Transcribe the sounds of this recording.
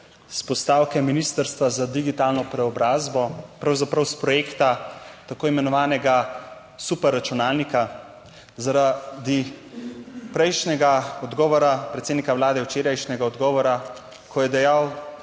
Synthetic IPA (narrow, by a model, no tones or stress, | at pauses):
spɔst̪awkɛminist̪əɾst̪ʋazad̪iɡit̪aːlnɔpɾɛɔbɾaːzbɔpɾawzapɾɐwspɾɔjekt̪at̪akoːimɛnɔʋaːnɛɡa | supɛɾːat͡ʃunaːlnika | zaɾad̪i | pɾɛjʃnʲɛɡaɔd̪ɡɔːʋɔɾapɾɛt̪sed̪nikawlaːd̪ɛwt͡ʃeːɾajʃnʲɛɡaɔd̪ɡɔːʋɔɾa | kʰɔjɛd̪ɛjaw